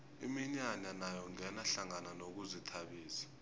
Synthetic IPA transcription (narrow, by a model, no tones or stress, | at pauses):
ḭmiɲaɲanajɔŋɛnaɬaŋananok̬uzitʰaɓiːsḁ